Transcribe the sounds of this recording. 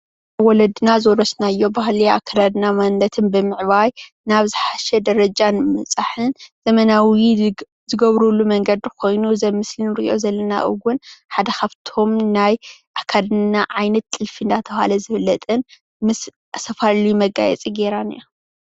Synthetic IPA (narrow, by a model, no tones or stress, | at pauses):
ʔaβwɔlɐd̪ɨnazoɾɐsnajːo̞baɦlia̰kʰːad̪ad̪namanːɐt̪ʰɨnbɨmɨʕβaj | naβzɨħaʃɛd̪ɐɾɐd͡ʒanmɐt͡sʼaħɨnzɐmɐnawi | zɨɡɐβɾulːumɐŋɡɐd̪ikʰo̞jnuzɐmːɨslinɨɾiʔo̞̰zɐlːɐna̰ʔɨ̰ɡʊnħad̪ɐkʰaβt̪ʰo̞mnajʔakʰːad̪ɨnaʕajnɐt̪ʼːɨlfind̪at̪ʰɐβha̰lɐzɨfɨlːɐt̪ʼɨn | mɨs | ʔasɐfallimɐɡa̰jɛ̰t͡sʼiɡeɾanija